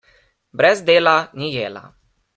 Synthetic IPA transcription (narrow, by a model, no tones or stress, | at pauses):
bɾɛzd̪eːlanijeːla̰